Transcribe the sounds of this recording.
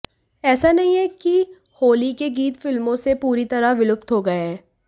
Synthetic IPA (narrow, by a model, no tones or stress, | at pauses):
ɛːsanɐɦĩɦɛki | hoːlikeɡiːt̪fɪlmõsepuːɾit̪ɐɾaʋɪlʊp̚t̪ɦoɡɐeɦɛː